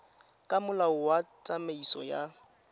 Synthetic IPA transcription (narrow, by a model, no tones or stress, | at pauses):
kʼamʊlaʊwat͡sʼameisɔja